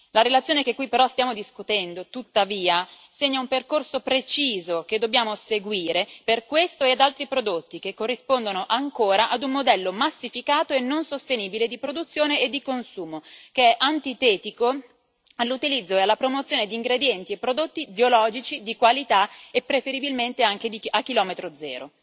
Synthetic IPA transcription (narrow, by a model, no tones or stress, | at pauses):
laɾelat̪sːjoːnekekːwipːeɾɔst̪jaːmod̪iskut̪ɛnd̪ot̪ut̪ːaviːa | seɲːaumperkorsopɾet͡ʃiːzok̟ed̪ːobːjaːmoseɡwiːɾeperkwest̪oead̪alt̪ɾipɾod̪ot̪ːikekːorːispond̪onoʔaŋkoːɾaʔad̪umːod̪ɛlːomasːifikaːt̪oenːonsost̪eniːbiled̪ipɾod̪ut̪sːjoːneed̪ːikonsuːmokeɛʔant̪it̪ɛːt̪iko | alːut̪ilid̪zːoealːapɾomot̪sːjoːned̪iːŋɡɾed̪jɛnt̪iepːɾod̪ot̪ːibjolɔːd͡ʒit͡ʃid̪ikwalit̪aepːɾefeɾibilment̪eaŋk̟ed̪iakːilɔːmet̪ɾod̪zɛ̰ːɾo